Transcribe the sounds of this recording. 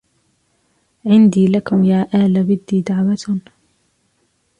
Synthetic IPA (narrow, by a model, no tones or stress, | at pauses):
ʕɪnd̪iːlakʊmjaːʔaːlabɪd̪ːiːd̪aʕwat̪